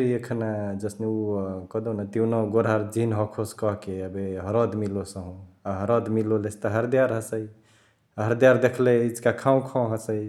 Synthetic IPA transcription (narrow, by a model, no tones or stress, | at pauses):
ɾiekʰnad͡ʒəsneukəd̪onat̪iunɔɡoɾaɾd͡ʒinɦɔkʰoskɔɦkeəbeɦəɾɔd̪milosəɦũaɦəɾɔd̪milolest̪aɦəɾd̪ijaɾɦəsəj | ɦəɾd̪jaɾd̪ekʰleid͡ʒkakʰãũkʰɔ̃ɦəsəj